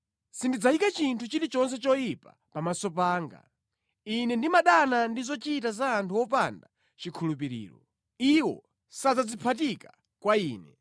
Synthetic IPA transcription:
sindid͡zaikat͡ʃintʰut͡ʃiɾit͡ʃɔnsɛt͡ʃɔjipa̰ | pamasɔpaːŋɡa̰ | inɛndimaɗanandizɔt͡ʃitazaːntʰuwɔpanda | t͡ʃikʰulupiɾḭːɾɔ | iwɔ̰ | sad͡zad͡zipʰatika | kwaiːnɛ

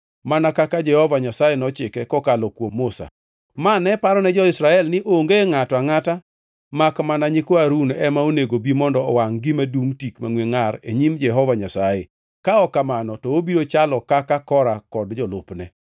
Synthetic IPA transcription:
manakakad͡ʒɛhɔvaɲasajenɔt͡ʃɪkɛkɔkalɔkwomːosa̰ | manɛpaɾɔnɛd͡ʒɔɪsɾaɛlnɪʔoŋɡeŋatɔaŋata | makmanaɲɪkoaɾunɛmaoneɡobimɔndɔɔwaŋɡɪmaduŋtikmaŋweŋaɾḛɲimd͡ʒɛɦɔvaɲasajḛ | kaɔkamanɔtɔobiɾot͡ʃalɔkakakɔɾakɔdd͡ʒɔlʊ̰pnɛ

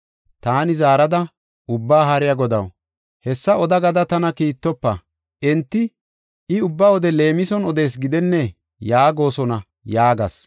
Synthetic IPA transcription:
t̪aːnɪzaːɾɐd̪ɐ | ʔʊbːaːɦɐɾɪjɐɡɔd̪ɐ̰w | hɛsːɐɔd̪ɐɡɐd̪ɐt̪ɐnɐkiːt̪ːɔpːɐ̰ | ʔɛnt̪ːɪ | ɪʊbːaːɔd̪ɛle̞ːmɪsɔnɔd̪e̞ːs̬ɡɪd̪ɛnːɛ | jaːɡo̞ːsɔnɐ | jaːɡɐ̰s

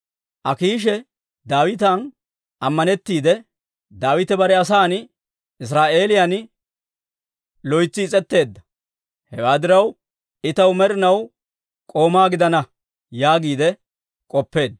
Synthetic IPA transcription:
ʔɐkiːʃ̬ɛ | d̪aːwɪt̪̬an | ɐmːɐnɛt̪ːiːd̪ɛ | d̪aːwɪt̪ɛbɐɾɛɐs̬aːn | ɪs̬ɾaːʔe̞ːlɪjan | lɔjt͡sːɪːt͡sʼɛt̪ːe̞ːd̪ːɐ̥ | hɛwaːd̪ɪɾɐw | ɪt̪ɐwmɛɾɪnɐw | kʼo̞ːmaːɡɪd̪ɐnɐ | jaːɡiːd̪ɛ | kʼɔpːe̞ːd̪

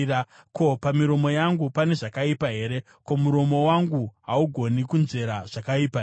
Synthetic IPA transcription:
a | ko̞pamiɾo̞mo̞jaŋɡupane̞ʐakaipaɦe̞ɾe̞ | ko̞muɾo̞mo̞waŋɡuɦauɡʱo̞nikunze̞ɾaʐ̥akaiːpa

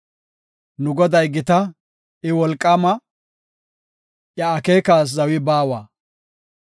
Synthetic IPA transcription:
nʊɡɔd̪ɐjɡɪt̪ɐ | ɪwɔlkʼːɐmɐ | ʔjɐːkeːkaːs̬zɐwɪbaːwaː

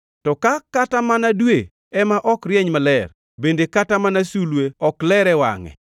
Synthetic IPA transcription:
tɔkakatamanadwe | ɛmaʔɔkrjɛɲmalɛr | bendekatamanasulweɔklɛɾɛwa̰ŋɛ̰

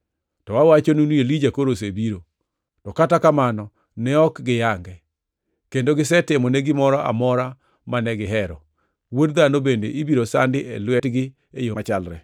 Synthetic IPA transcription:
tɔwawat͡ʃonunuelid͡ʒakoɾos̬ebiɾo | tɔkatakamanɔ | nɛɔkɡɪjaŋɡɛ | kendoɡɪsɛtɪmɔneɡɪmɔɾɔʔa̰mɔɾa | manɛɡɪɦɛɾɔ | wodd̪anobendḛʔibiɾosandɪʔɛ̰lwɛtɡɪ | ejoat͡ʃalɾɛ̰

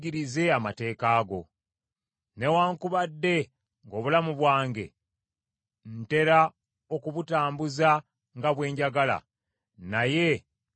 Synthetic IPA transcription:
ɡiɾize̞amate̞ːkaːɡo̞ | ne̞waːŋkuβadːe̞ | ŋɡo̞βulamuβwaːŋɡe̞̰ | n̩te̞ɾa | o̞kuβutaːmbuza | ŋɡaβwe̞ːɲɟaɡala̰ | naje̞

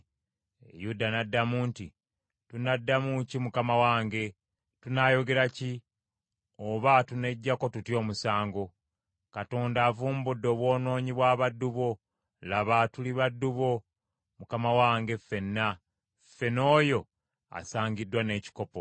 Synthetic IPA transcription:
ḛjudanadːamuːnti | tunadːamucimukamawaːŋɡe̞ | tunajo̞ɡe̞ɾaci | oβatune̞ɟːako̞tutjo̞ːmusaːŋɡo̞ | kato̞ːndaːvuːmbudːo̞ːβwo̞ːno̞ːɲiβwaːβadːuβo̞ | laβatuliβadːuβo̞ | mukamawaːŋɡe̞fe̞nːa | fe̞no̞ːjo̞ | a̰saːɲɡidːwane̞ːci̥ko̞po

